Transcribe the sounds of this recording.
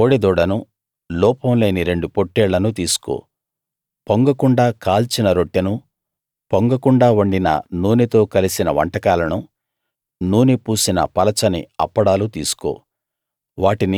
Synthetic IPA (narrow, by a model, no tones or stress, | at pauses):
oːɽed̪ɔːɽɐnu | lɔːpɐmle̞ːniɾe̞ɳɖupoʈːɛːɭːɐnut̪̬iːsu̥ko̰ː | poŋɡɐkuɳɖaːkaːlt͡ʃinɐɾoʈːinu | poŋɡɐkuɳɖaːʋɐɳɖinɐ̰nuːnit̪o̞ːkɐlisinɐʋɐ̰ɳʈɐkaːlɐnu | nuːnipuːsinɐ̰pɐlɐt͡ʃɐnḭɐ̰pːɐɽaːlut̪iːsu̥ko̰ː | ʋaːʈini